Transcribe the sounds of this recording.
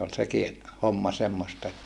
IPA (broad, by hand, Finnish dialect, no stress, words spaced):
ol seki homːɑ semːostɑ etːæ